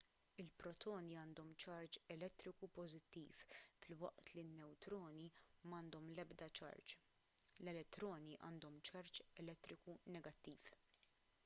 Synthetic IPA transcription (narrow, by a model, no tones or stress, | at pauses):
ɪlpɾɔt̪ʰɔːniɐːnd̪ɔmt͡ʃɐɾt͡ʃɛlɛt̪ːɾɪkupɔzɪt̪ːiːffɪlwɐ̰ʔt̪linːɛwt̪ɾɔːnimɐːnd̪ɔmlɛbd̪ɐt͡ʃɐ̰ɾt͡ʃ | lɛlɛt̪ːɾɔːniʔɐ̰ːnd̪ɔmt͡ʃɐɾt͡ʃɛlɛt̪ːɾɪkunɛɡɐt̪ːiːf